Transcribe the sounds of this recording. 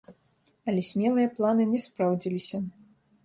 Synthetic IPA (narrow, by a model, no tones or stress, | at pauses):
ɐlʲɛsʲmʲɛlˠɨjɐplˠanɨnʲɛspɾawd͡zʲilʲisʲɐ